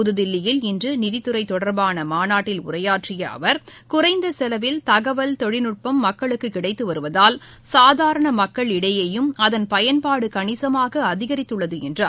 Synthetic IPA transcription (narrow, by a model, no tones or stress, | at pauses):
ʊðɯðɪlːɪjɪlɪndrɯnɪðɪt̪ːɯɾɐɪt̪ːɔɽɐɾbaːnɐmaːnaːʈːɪlʊ̰rɐjaːʈrɪjɐ̰ɐ̰ʋɐɾkʊrɐɪnd̪ɐsɛlɐʋɪlt̪ɐɣɐʋɐlt̪ɔɻɪnɯʈ̚pɐmːɐkːɐɭɯkːɯkːɪɽɐɪt̪ːɯʋɐɾɯʋɐðaːl | saːðaːɾɐɳɐmɐkːɐɭɪɽɐjɐjɯmɐðɐnpɐjɐnpaːɽɯkɐɳɪsɐmaːɣɐɐðɪɣɐɾɪt̪ːɯɭːɐðɯɛndrɐ